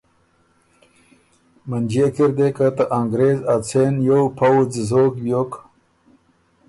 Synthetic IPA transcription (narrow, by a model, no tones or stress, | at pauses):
mand͡ʑiekiɾd̪ekat̪aʔaŋɡɾeːzat͡sʰenjowpʰawd͡zizoːkbjoːk